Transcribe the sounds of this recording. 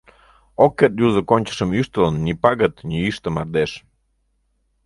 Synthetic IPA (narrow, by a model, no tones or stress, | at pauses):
okːet̪̚juzə̆konʲt͡ɕə̥ʃəmyʃt̪ələnːʲipɑɣət̪nʲiyʃt̪əmɑrd̪eʃ